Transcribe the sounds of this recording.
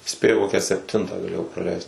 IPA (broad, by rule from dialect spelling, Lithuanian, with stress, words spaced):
ˈsʲpʲeːjʊ ˈkoːkʲæː sʲɛpʲˈtʲɪntɑː ɡɐˈlʲeːjɛʊ prɐˈlʲɛɪst